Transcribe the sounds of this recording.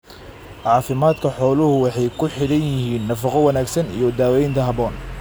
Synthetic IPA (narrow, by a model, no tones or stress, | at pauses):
ʕɑːfɪmaːd̪kʰɐħɔːlʊhʊwɑħɑjkʰʊħɪɽɐnjɪhiːnːɐfɐqɔwɐnaːɡsɐnḭjɔd̪aːwɛjnt̪ʰɐɦɐbɔːn